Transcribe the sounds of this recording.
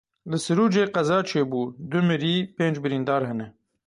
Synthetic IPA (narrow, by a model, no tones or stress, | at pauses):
lɨsɨɾuːd͡ʒeːqɛzɑːt͡ʃʰeːbuːd̪ʊmɨɾiːpeːnd͡ʒbɨɾiːnd̪ɑːɾɦɛnɛ